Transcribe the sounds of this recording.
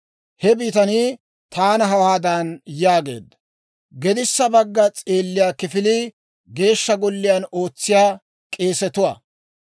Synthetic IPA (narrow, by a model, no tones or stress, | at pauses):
hɛbiːt̪ɐniː | t̪aːnɐɦɐwaːd̪aːnjaːɡe̞̰ːd̪ːɐ̥ | ɡɛd̪ɪsːɐbɐɡːɐt͡sʼeːlːɪjaːkɪfɪliː | ɡe̞ːʃːɐɡɔlːɪjaːno̞ːt͡sːɪjaː | kʼe̞ːsɛt̪ʊwɐ̰